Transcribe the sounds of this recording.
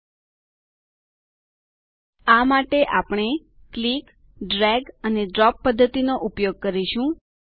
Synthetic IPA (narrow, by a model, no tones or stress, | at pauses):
amaʈeʔapɳ̃e | klik | ɖɾɛɡəneɖɾɔpːəd̪ʱːət̪inoʔupjoɡ̚kəɾiʃũ